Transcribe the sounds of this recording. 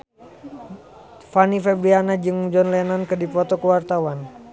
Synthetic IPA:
fanifɛbɾianad͡ʒɨŋd͡ʒɔnlɛnankɨrdipɔt̪ɔkəwart̪awan

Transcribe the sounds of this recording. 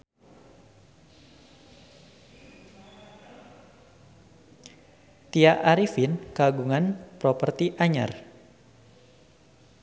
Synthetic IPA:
t̪iaʔaɾifinkaɡuŋanpɾɔpərt̪iʔaɲa̰r

